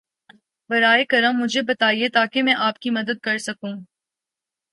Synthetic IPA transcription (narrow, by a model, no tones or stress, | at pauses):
bɐɾaːekɐɾə̃mːʊd͡ʒʱebɐt̪aːiet̪aːkemɛ̃ːʔaːpkimɐd̪əd̪̚kɐɾsɐkũː